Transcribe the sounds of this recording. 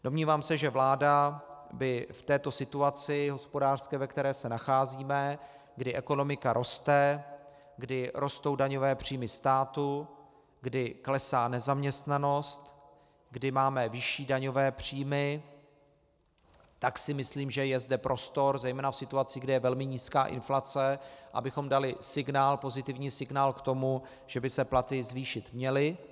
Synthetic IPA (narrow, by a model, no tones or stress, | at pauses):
d̥o̞mɲiːvaːmsɛʒɛvlaːdabɪft̪ɛːt̪o̞sɪt̪uat͡sɪɦo̞spo̞daːr̥skɛːvɛkt̪ɛɾɛːsɛnaxaːziːmɛ | ɡdɪʔɛko̞no̞mɪkaɾʔo̞st̪ɛ | ɡdɪɾʔo̞st̪o̞wdaɲo̞vɛːpr̝̥iːmɪst̪aːt̪u | ɡdɪklɛsaːnɛzamɲɛst̪nano̞st̪ | ɡdɪmaːmɛvɪʃiːdaɲo̞vɛːpr̝̥iːmɪ | t̪aksɪmɪsliːmʒɛjɛzdɛpɾʔo̞st̪o̞ɾzɛjmɛːnafsɪt̪uat͡siːɡdɛjɛvɛlmɪɲiːska̰ːʔɪ̰nflat͡sɛʔa̰bɪxo̞mdalɪsɪɡnaːlpo̞zɪt̪ɪvɲiːsɪɡnaːlkt̪o̞mu | ʒ̥ɛbɪsɛplat̪ɪzviːʃɪt̪mɲɛlɪ